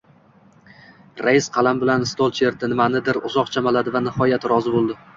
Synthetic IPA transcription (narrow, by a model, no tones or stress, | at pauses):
ɾajɪsqʰɑlˠambɪlanst̪olˠt͡ʃeɾd̪ɪnɪmanɪd̪ɪɾʊ̰zɒqt͡ʃʰamalad̪ɪvanɪhɒjat̪ɾɒzɪbolˠd̪ɪ